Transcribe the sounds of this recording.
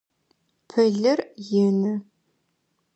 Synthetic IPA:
pʰɐɮɐrjɪnɨ

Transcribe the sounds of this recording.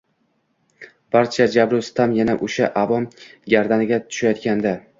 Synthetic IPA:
b̥aɾt͡ʃʰad͡ʒabɾʊst̪ʰamjanaʔoʃaʔavɒmɡʲaɾd̪anɪɡʲat̪ʰʊ̥ʃajɒt̪̚kʲand̪a

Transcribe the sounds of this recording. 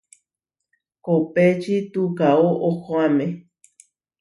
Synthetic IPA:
kopet͡ʃit̪ukaoʔokoame

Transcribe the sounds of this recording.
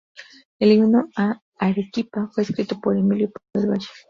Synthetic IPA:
eliminoa | aɾekipafwe̞ːskɾit̪o̞poɾemiljopoβeɾβaʃe̥

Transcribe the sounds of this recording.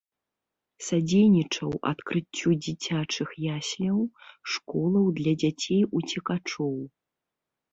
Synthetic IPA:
sad͡zʲejnʲit͡ʂɐwa̰t̪kɾɨt͡sʲːud͡zʲit͡sʲat͡ʂɨxjasʲlʲɐwʂkɔlˠɐwd̪lʲɐd͡zʲat͡sʲejut͡sʲɛkat͡ʂɔw

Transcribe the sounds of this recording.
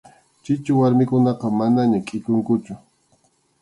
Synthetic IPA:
t͡ʃɪt͡ʃʊwaɾmɪkʊnɑqɑmanaɲakʼɪkʊŋkʊt͡ʃʊ

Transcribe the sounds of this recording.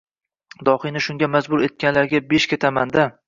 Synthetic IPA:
d̪ɒhɨjnɪʃʊŋʲamazbʊɾe̞t̪̚kʲanlaɾɡʲabeʃkʲe̞t̪ʰamand̪a

